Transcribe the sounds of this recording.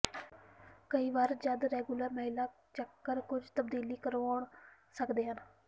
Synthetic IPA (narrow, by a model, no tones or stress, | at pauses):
kəiːʋaːɾd͡ʒəd̪ɾɛːɡuləɾməɦɪlaː | t͡ʃəkːəɾkʊd͡ʒt̪əbd̪iːliːkəɾoːɳ | səkd̪eːɦən